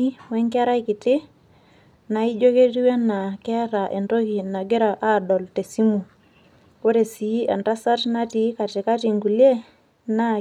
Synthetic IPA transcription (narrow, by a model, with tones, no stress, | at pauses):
i˦wɛ˦ŋka˦ɾa˦ikɪ˨tɪ˦ | na˨i˦d͡ʒo˦ke˦ɾi˦wɛ˦na˨kɛ˦a˦ɾa˨ʔɛ˨ndo˦ki˨na˨ɡe˦ɾa˨ʔa˦dɔ˨lte˨si˦mu˨ | o˦ɾe˨si˨˦ɛ˨nda˦sa˦tna˦ti˨˦ka˨tɪ˨ka˦ti˨ŋɡu˨lje˦ | na˦